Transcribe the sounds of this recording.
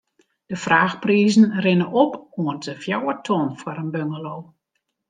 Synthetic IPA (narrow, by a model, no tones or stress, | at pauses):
d̥əfraːxpriːzn̩rɪnəʔɔpuəntəfjawətʰonfwaɾənbøŋəloː